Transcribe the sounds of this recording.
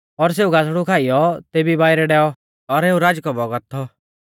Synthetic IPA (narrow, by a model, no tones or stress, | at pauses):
ɔɾs̬eːuɡas̬ɽukʰaːijɔt̪eːbibaːiɾɛɖɛːɔ | ɔɾeũɾaːd͡ʒkɔbɔɡət̪ʰːɔ